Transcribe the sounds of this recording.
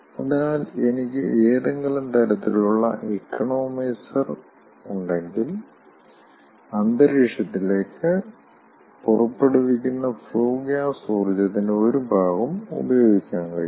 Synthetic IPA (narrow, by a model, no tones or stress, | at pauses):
ɐðinaːle̞nikʲːɨ̰eːðɐŋɡɐɭumt̪ʰɐɾɐt̪ːiluɭːɐ̰ʔekːɐɳo̞ːmisɐr | uɳɖe̞ŋɡil | ɐnd̪ɐɾiʂɐt̪ːile̞ːkːɨ | purɐpːeɽuʋikʲːunːɐfɭoːɡjaːsoːrd͡ʑɐðinɨo̞ɾubʱaːɣɐmṵbɐjo̞ːɡikʲːaːnkɐ̰ɭ